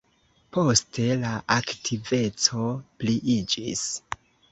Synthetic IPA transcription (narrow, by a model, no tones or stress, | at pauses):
po̞ste̞laʔaktʰive̞t͡so̞pliʔid͡ʒḭs